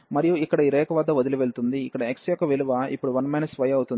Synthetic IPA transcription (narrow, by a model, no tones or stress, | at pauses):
mɐɾijuikːɐɽɐiɾɛːkɐʋɐd̪ːɐʋod̪iluʋe̞ɭt̪und̪iːkːɐɽɐeksjɔkːɐʋe̞luʋaːʔḭpːuɽuʋɐnmɐjnɐsʋɐjɐwt̪un